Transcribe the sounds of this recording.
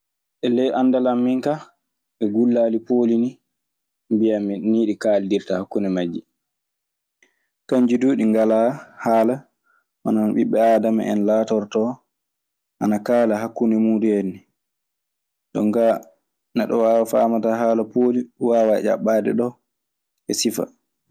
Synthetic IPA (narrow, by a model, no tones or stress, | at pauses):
ʔɛlɛjʔandalamːiŋka | ʔɛɡulːaːlipoːlini | mbijaminiːɗikaːldiɾtahakːunɛmad͡ʒːi | kaɲd͡ʒiduːɗiŋɡalahaːla | manaanɓiɓːɛaːdama̰ʔɛnlaːtɔɾtɔ | ʔanakaːlaɦakːunɛmuːɗuenːi | ɗɔ̰ŋka | naɗɔwaːwafaːmataɦaːlapoːliwaːwaɛ̰ʔa̰ɓaːdɛ̰ɗɔ | ʔɛsifa̰